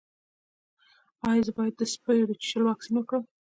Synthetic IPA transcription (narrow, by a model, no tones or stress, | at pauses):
ɑjɑzəbɑjad̪ːəspəjɾit͡ʃɪ̥ʃəlwɑksinəkɽə